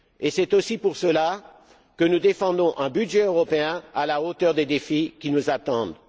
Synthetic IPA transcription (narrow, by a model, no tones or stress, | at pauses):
esɛt̪osipuʁsəla | kənud̪efɑ̃d̪ɔ̃ʔɛ̃byd̪ʒɛøʁɔpeɛ̃alaot̪œʁd̪ed̪efikʲinuzat̪ɑ̃d̪